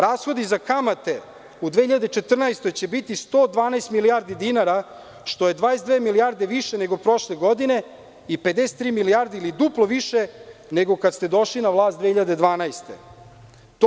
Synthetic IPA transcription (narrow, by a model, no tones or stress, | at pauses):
ɾaːsxo̞d̪izakamat̪e̞ | ud̪ʋeːçiʎad̪et͡ʃet̪r̩najst̪o̞jt͡ɕebit̪ist̪oːd̪ʋaːnajst̪milijaɾd̪id̪inaɾa | ʃt̪o̞je̞d̪ʋaːesd̪ʋeːmilijaɾd̪e̞ʋiʃeneɡo̞pɾo̞ʃleɡo̞d̪ine̞ | iped̪ese̥t̪ːɾiːmilijaɾd̪iilid̪uplˠoʋiʃeneɡo̞kad̪st̪e̞d̪o̞ʃlinaʋlˠaːst̪ehiʎad̪e̞d̪ʋaːnajst̪e̞̰ | t̪